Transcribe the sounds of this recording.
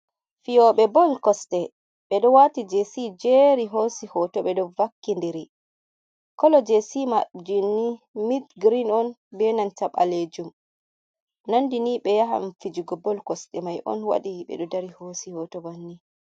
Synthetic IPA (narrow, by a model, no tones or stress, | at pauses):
fijɔɓɛbɔlkɔstɛ | ɓɛɗɔwatid͡ʒesid͡ʒeɾiɦosihɔtɔɓɛɗɔvakːindiɾi | kɔlɔd͡ʒesimad͡ʒinːimitɡɾinɔnbɛnantaɓa̰led͡ʒum | nandiniɓɛjaɦa̰mfid͡ʒuɡɔbɔlkɔstɛmajʔɔ̰nwa̰ɗiɓɛ̰ɗɔdaɾihosihɔtɔbanːi